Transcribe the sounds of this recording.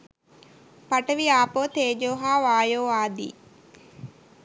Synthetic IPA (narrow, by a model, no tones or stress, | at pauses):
pɐʈəʋiaːpoːt̪eːd͡ʒoːɦaːʋaːjoːaːd̪ḭː